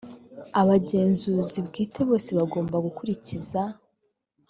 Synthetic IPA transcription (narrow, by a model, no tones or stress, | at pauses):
aβaɟe̞ːnzuːzibɡiːtʰe̞βo̞ːse̞βaɡo̞ːmbaɡukuɾiciza